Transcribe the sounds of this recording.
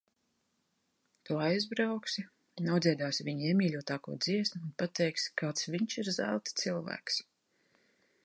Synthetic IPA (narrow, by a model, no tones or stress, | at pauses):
t̪uɔajzbɾawksi | nawd̪zʲiɛd̪aːsviɲiɛmʲiːlʲuɔt̪aːkṵːd̪z̥iɛsnʲiunpat̪ɛjkskaːt̪sviɲt͡ʃiɾzæ̰lˠt̪t̪silˠvæ̰ːks